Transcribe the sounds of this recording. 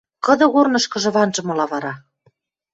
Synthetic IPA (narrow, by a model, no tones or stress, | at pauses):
kɤ̆d̪ɤ̆ɣornɤ̆ʃkɤ̆ʒɤ̆βɑnʒɤ̆mŏlɑβɑɾɑ